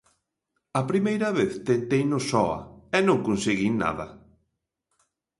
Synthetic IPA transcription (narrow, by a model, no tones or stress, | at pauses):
ɐpɾimejɾɐβeθt̪ent̪ejnʊsɔɐ̰ɛnõŋkonseɣina̰ðɐ